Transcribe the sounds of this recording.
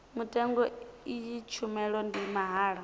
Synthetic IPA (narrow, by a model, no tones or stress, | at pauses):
mutʼɛŋɡɔiit͡ʃʰumɛɺɔndimaɦaːɺɔ